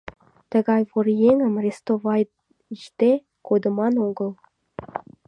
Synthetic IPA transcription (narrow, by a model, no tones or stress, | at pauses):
t̪ə̆ɣɑjvoɾjeŋə̆mrʲest̪ovɑj | iʃt̪e | kod̪ɤ̆mɑnoɡɤ̆l